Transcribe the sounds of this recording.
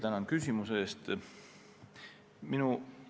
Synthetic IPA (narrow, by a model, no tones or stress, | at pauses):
t̪ænɑnkysʲimuseeːst̪ | minu